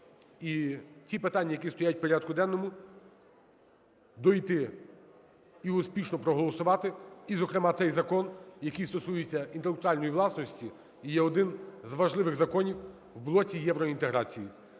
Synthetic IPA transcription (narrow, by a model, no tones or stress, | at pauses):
itʲipɪt̪ɑnʲːɐjɐkʲist̪ɔjat̚ʲpɔɾʲad̪̚kʊd̪ɛnːɔmʊ | d̪ɔjt̪ɪ | iʊspʲiʃnɔpɾɔɦɔlˠɔsʊʋɑt̪ɪizɔkɾemɑt̪sɛjzɐkɔnjɐkijst̪ɔsujet͡sʲːɐint̪elˠek̚t̪ʊɾɑlʲnɔjiʋlˠɑsnɔsʲtʲiː | jɛɔd̪ɪnzʋɐʒlˠɪʋɪɣzɐkɔnʲiw | wblˠɔtʲijɛʋɾɔint̪eɦɾɑt͡sʲiji